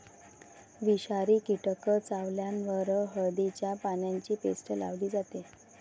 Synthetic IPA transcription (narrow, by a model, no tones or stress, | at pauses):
ʋiɕaɾiːkiʈəkət͡saʋljanʋəɾəɦəɾd̪it͡ɕjapanjaɲt͡ɕiːpesʈəla̰ʋd̪iːd͡zat̪e